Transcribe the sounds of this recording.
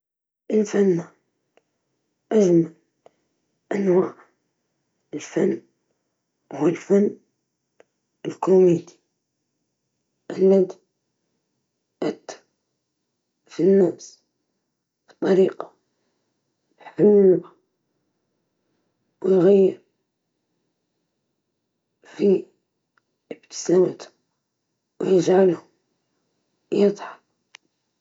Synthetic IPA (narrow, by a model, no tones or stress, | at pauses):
ʔɪlfanːa | ʔad͡ʒmal | ʔanwaːʕ | ɪlfanː | hʊwalfanː | ɪlkɾomiːd̪i̥ | ʔalːad̪ | ʔat̪ː | finːaːfs | bi̥t̪ˤːɑɾiqɑ | ħamːlba | wjɣajːəɾ | fi | əb̚t̪ə̥sawət̪ | wjəʒʕalhʊ | jət̪ˤħɑ